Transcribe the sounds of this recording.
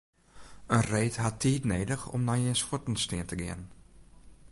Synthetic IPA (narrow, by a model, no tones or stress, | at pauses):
ənreːtɦatʰːiːtneːdəxɔ̰mnajensxotn̩stɪəntəɡɪənn